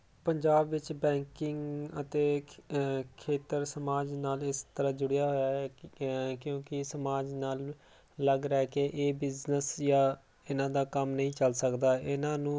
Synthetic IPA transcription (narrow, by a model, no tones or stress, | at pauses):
pəɲd͡ʒaːbʋɪt͡ʃbɛ̃ːŋkɪŋɡət̪eː | kʰeːt̪əɾsəmaːd͡ʒnaːlɪst̪əɾad͡ʒʊɽɪjaːɦoːjaːɛ | kjõːkɪsəmaːd͡ʒnaːlː | əɡɾɛːkeʔeːbɪznəsjaː | ɪnãːd̪aːkəmnəĩːt͡ʃəlsəkd̪aːʔɪnãːnũː